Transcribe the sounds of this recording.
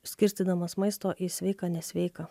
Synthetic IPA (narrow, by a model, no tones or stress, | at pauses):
sʲkʲɪɾʲsʲt̪ʲiːd̪ɐmɐsmɐɪst̪oːʔisʲʋʲɛɪkɑːnʲɛsʲʋʲɛɪkɑː